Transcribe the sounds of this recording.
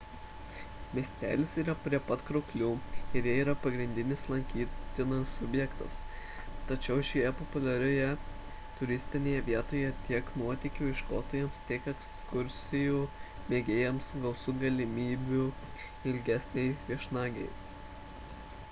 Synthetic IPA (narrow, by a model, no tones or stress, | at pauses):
mʲiɛsʲt̪ʲæ̰ːlʲɪsiːɾɐpʲɾʲiɛpɐt̪kɾɔʊkʲlʲuːɪɾʲjɛiːɾɐpɐɡɾʲɪnʲd̪ʲɪnʲɪslˠɐŋʲkʲiːt̪ʲɪnɐsʊbʲjɛkt̪ɐ̰s | t̪ɐt͡ʃʲɛʊʃʲoːjɛpɔpʊlʲɛɾʲojɛ | t̪ʊɾʲɪsʲt̪ʲɪnʲeːjɛʋʲiɛt̪oːjɛt̪ʲiɛknuɔt̪ʲɪkʲuːʋʲɪʃkoːt̪oːjɛmst̪ʲiɛkɛkskʊɾʲsʲɪjuː | mʲeːɡʲeːjɛmsɡɐʊsʊɡɐlʲɪmʲiːbʲu | ɪlʲɡʲæsʲnʲɛɪʋʲiɛʃnɑːɡʲɛ̰ɪ